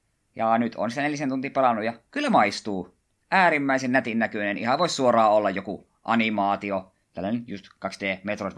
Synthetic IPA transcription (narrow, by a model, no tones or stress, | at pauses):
jɑnyt̪ʰo̰nsit̪æneljiæsent̪unt̪iːpelɑnːujɑkylːæmɑist̪uː | ʔæːɾimːæisennæt̪innækønenihɑʋoˑissuorɑːolːɑjjoku | ʔɑ̰nimɑːt̪io | t̪ælːænenjust̪kɑksd̥eːmet̪roˑit̪